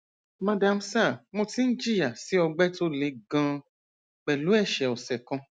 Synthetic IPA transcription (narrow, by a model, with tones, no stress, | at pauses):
mã˧da˧m̩˦sa˦˨mo˧ti˦n̩˦d͡ʒi˦˨ja˨si˨˦ɔ˧ɡ͡bɛ˦to˦le˨˧˦ɡã˧ | k͡pɛ˨lu˨˦ɛ˦˨ʃɛ˨ɔ˨sɛ˨kã˧